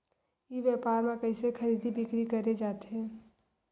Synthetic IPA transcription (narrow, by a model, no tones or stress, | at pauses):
iʋjɛːpaːɾmẽkəɪsekʰəɾiːd̪ʱibɪkɾikəɾed͡ʒaːt̪ɦɛ̃ː